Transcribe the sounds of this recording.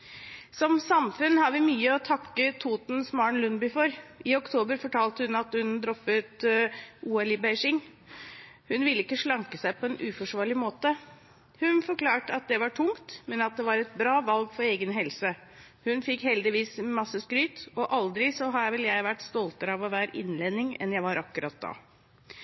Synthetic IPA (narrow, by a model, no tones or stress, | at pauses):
sɔmsɑmfʉnhɑɾʋɪmyːəɔt̪ʰɑkːət̪ʰuːt̪n̩smɑɳlʉnbʏfɔɾɪɔkt̪ʰoːbəɾfɔʈʰɑːlt̪əhʉnɑt̪hʉnd̪ɾɔfət̪ʔuːɛlibæɪʂɪŋ | hʉnʋɪlːəɪkːəʂɭɑŋkəsæɪpʰɔɛnʔʉːfɔʂʋɑːɭɪmoːt̪ə | hʉnfɔɾkʰlɑːʈəɑt̪̚d̪ɛʋɑʈʰʊŋt̪mɛnɑt̪̚d̪ɛʋɑɾɛt̪̚bɾɑːʋɑlɡfɔɾeːɡənɦɛlsə | hʉnfɪkhɛld̪ɪʋiːsmɑsːəskɾyːt̪ɔʔɑld̪ɾɪsɔɦɑjæʋɛljæɪʋæʈːst̪ɔlt̪əɾəɑʋɔʋæːɾʔɪ̰nleːd̪nɪŋɛ̰njæɪʋɑɾɑkːʉɾɑt̪̚d̪ɑ̰ː